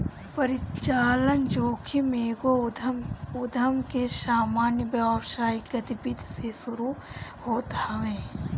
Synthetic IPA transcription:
pəɾɪt͡ʃaːlənd͡ʒoːkʰimeːɡo | ʊd̪ʱəmkesaːmaːnjəbapʃaːiɡɐt̪ɪbɪd̪ʱsesʊɾu | hoːt̪əʋẽː

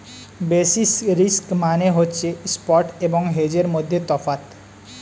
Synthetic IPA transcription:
besisɾiskmaneɦotːt͡ʃʰespɔɾʈebɔŋɦed͡ʒeɾmod̪ʱːjet̪ɔfat̪

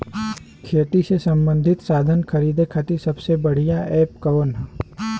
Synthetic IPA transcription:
kʰeːt̪isesɐ̃mbə̃nd̪ʱɪt̪saːd̪ʱənkʰɐɾiːd̪ekʰat̪isɐbsebəɽ̤ijaɛːpkɐʋənɦ

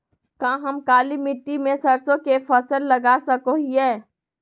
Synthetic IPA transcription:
kãːɦɐmkaːlimɪʈːimẽsɐɾsõkepʰəsəlːɐɡaːsəkoɦiɛː

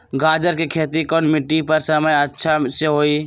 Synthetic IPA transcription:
ɡad͡ʒəɾkekʰet̪ikɔnmiʈːipəɾsəməjətːʃʰaseɦoi

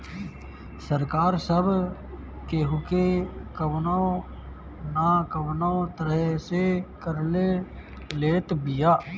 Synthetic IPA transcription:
səɾkaːɾsəb | keɦʊkekəʋnao | naːkəʋnaot̪əɾəɦsekəɾle | leːt̪bɪjaː

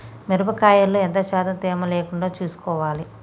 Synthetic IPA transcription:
meɾupɐkaːjɐlːoːent̪ɐʃaːt̪ɐmt̪eːmɐleːkuɳɖaːt͡ʃuːsu̥kɔːʋaːli

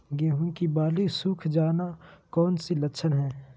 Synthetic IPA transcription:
ɡeːɦũkibaːlisuːkʰd͡ʒaːnakɔːnsilɐkʃʰənɦɛ̃ː

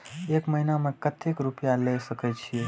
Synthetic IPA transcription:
ekməɦinamẽkət̪ʰːekɾupjalesəket͡ʃʰie

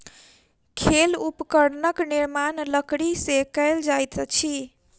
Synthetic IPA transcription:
kʰelupkəɽnəkniɾmanləkɽisekəɪld͡ʒajt̪t͡ʃʰi

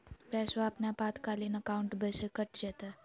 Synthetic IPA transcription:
pɛsoapnapat̪kalinəkauɳʈbʱəsekəʈd͡ʒət̪a

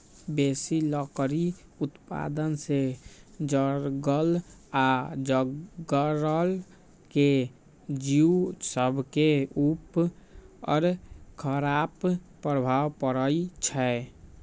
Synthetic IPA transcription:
besilɔkɾiut̪pa̰d̪ənsed͡ʒəɾɡəlad͡ʒəɡəɾəl | ke | d͡ʒiusəbʱkeup | ɔ̰ɾkʰəɾap | pɾəbʱawpəɾəit͡ʃʰɛ

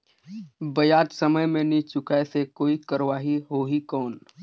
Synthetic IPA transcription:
bəjaːd̪səməjmẽnit͡ʃʊkasekoːikəɾʋaːɦiɦoːɦikɔːn

